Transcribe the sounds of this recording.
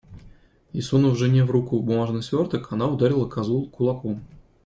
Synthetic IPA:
isunuvʐɨnʲevɾukubumaʐnɨsʲvʲort̪əkanaud̪aɾʲilˠəkazulˠkulˠɑku

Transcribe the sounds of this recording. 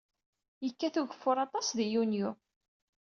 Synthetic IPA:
jəkːæθuʝəfːʊɾˤɑt̪ˤɑsðijunju

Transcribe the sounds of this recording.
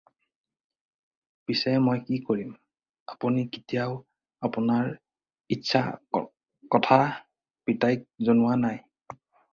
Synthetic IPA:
pisɛmojkikoɹim | apuniki̥tijaʊ | apʊnaɹ | itːsʰa̰ | kɔtʰa | pitajk̚zonʊwanaj

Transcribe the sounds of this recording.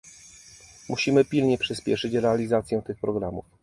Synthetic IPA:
mʔuɕimɘpʲilɲɛpʂɘspʲjɛʂɘt͡ɕɾɛalʲizat̪sʲjɛ̃t̪ɘxpɾɔɡɾamṵf

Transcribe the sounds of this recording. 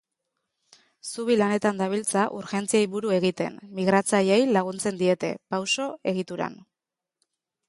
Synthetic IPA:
suβilane̞t̪and̪aβ̞ilt͡saʔuɾxe̞nt͡siajβuɾue̞ɣ̞it̪e̞̰nmiɣɾat͡sajejlaɣ̞unt͡se̞nd̪ie̞t̪e̞̰pawso̞e̞ɣ̞it̪uɾa̰n

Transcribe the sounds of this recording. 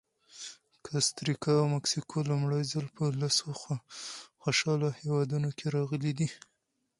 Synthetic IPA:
kʰast̪ɾikɑawmaksikʰolʊmɽajzalpəlasoxaxoʃɑlahewɑd̪unokeɾɑɣəlid̪i

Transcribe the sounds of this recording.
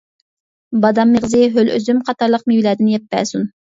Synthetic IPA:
bɑd̪ɑmːeʁzɨɦølʔø̰zymqʰɑt̪ɑɾlˠəq̚mijlɛːd̪ɪnjɛp̚ːɛ̰ːsun

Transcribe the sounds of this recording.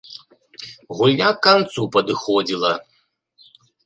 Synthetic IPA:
ɣulʲnʲakːant̪supɐd̪ɨxɔd͡zʲilˠɐ

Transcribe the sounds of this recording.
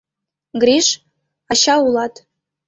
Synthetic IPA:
ɡɾiʃ | ɑɕɑulˠɑt̪

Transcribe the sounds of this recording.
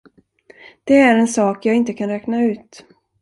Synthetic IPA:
d̪̥ɛæɾɛnsɑːkjɑːɡɪnt̪əkʰanɾɛːknaʉ̟ːt̪

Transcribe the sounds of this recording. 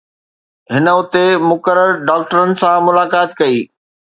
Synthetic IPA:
ɦɪnəʊt̪emʊkəɾəɾɖaːk̚ʈəɾənɪ̆sãmʊlaːkaːt̪kɐiː

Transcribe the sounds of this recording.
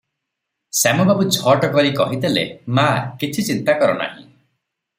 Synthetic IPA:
samɔbabud͡ʒʰʱɔʈɔkɔɾikɔɦit̪elḛmakit͡ʃʰit͡ʃint̪akɔɾɔna̰ɦḭ̃

